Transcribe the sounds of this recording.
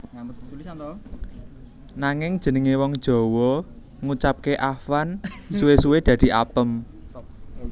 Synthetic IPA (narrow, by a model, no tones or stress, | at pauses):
naŋɪŋd̥ʒ̥ənəŋewɔŋd̥ʒ̥ɔ̤wɔ | ŋut͡ʃap̚keʔafansuwesuwed̪̥ä̤d̪̥i̤a̰pəm